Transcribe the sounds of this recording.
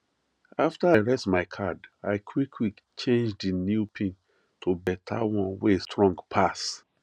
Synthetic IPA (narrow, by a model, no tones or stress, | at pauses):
aftaaɹɛsmaɪkʰadaɪkʰwikʰwik | t͡ʃẽnd͡ʒdinjupʰĩn | tʰobɛtʰa̰wɔ̃nweestʰɹɔ̃ŋɡpʰas